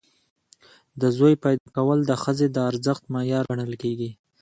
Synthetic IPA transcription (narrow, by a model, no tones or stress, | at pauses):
d̪əzojpajd̪ɑkawəld̪əxəzed̪əaɾzəxt̪mɑjɑɾaɳəlkeɡi